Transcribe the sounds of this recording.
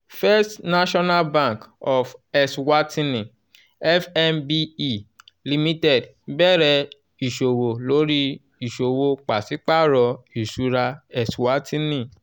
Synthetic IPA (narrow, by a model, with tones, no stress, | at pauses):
fɛ˦stna˦ʃɔ˦na˦lbã˦˨kɔ˨fɛ˨swa˦tĩ˦nĩ˨ | ɛ˦fɛ˦mbi˦i˦ | li˧mĩ˦tɛ˦˨d | bɛ˦˨ɾɛ˧ | i˨ʃo˨wo˨lo˨˦ɾi˦ | i˨ʃo˨wo˧k͡pa˨si˨˦k͡pa˦ɾɔ˧i˨ʃu˨˧˦ɾa˧ɛ˨swa˦tĩ˦nĩ˦˨